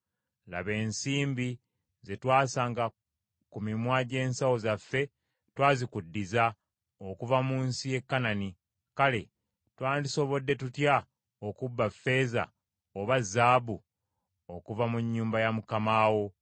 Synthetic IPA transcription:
la̰βe̞ːnsiːmbi | ze̞twaːsaːŋɡa | kumimwaːɟe̞ːnsawo̞zafːe̞ | twaːzikudːiza | okuvamuːnsije̞kːanani | kale̞ | twaːndiso̞βo̞dːe̞tutja | okubːafːe̞ːza̰ | oβazːaːbu | o̞kuvamuɲːuːmbajamukamaːwo̞

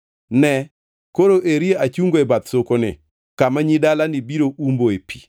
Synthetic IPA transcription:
nɛ | koɾoʔeɾieat͡ʃuŋɡoɛbat̪sokonɪ̰ | kamaɲidalanɪbiɾoʔumboepʰi̥

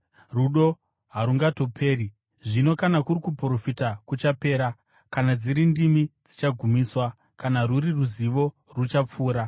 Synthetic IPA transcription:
ruɗo̞ | ɦaɾuŋɡato̞pʰe̞ːɾi | ʐino̞kanakuɾikupro̞fitakut͡ʃape̞ːɾa | kanad͡ziɾindimid͡zit͡ʃaɡʱumiːswa | kanaruriruziʋo̞ | rut͡ʃap͡fuːɾa

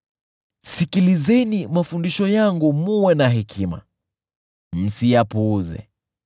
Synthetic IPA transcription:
sikilizɛnimafundiʃɔjaŋɡumuwɛnaɦikʰima̰ | m̩sijapuzɛ̰

